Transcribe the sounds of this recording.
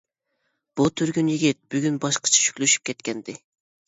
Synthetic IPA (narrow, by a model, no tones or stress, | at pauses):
b̥ut̪ʰyɾɡʲynjiɡʲit̪̚b̥yɡʲynbɑʃqʰɑ̥t͡ʃʰɛ̥ʃy̥kʲlyʃy̥p̚kʲʰɛt̪kʲɛnd̪ɪ